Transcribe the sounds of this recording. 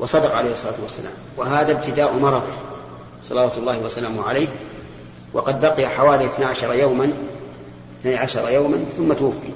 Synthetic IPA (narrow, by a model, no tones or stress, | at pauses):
wɑsˤɑd̪ɑqʕa̰lejhɨsˤːɑlˤaːt̪wasːala̰ːmwaɦaːðab̚t̪ɪd̪aːʔmɑɾˤɑðˤ | sˤɑlɑwaːt̪ʊlˤːɑːhɪwasalaːmʊʕalajː | wɑ̰qɑd̪̚baqɪjaħawaːliʔɪθnaʕaʃɑɾˤɑjawman | ɪθnajʕaʃɑɾˤɑjawmanθʊmːat̪ʊwʊfːḭ